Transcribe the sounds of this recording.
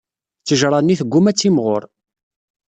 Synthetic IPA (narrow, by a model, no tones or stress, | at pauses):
t͡sːəʒɾˤɑnːiθəɡʷːʊmæt͡sːimʁo̰ɾˤ